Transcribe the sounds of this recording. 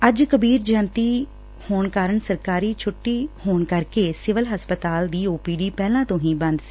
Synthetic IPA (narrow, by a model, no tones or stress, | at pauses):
əd͡ʒkəbiːɾd͡ʒãːnt̪iː | hoːɳkaːɾəɳsəɾkaːɾiːt͡ʃʰʊʈːiːhoːɳkəɾkeːsɪʋəlɦəspət̪aːld̪iːoːpiːɖiːpɛːlãːt̪õːɦĩːbənd̪sɪ̥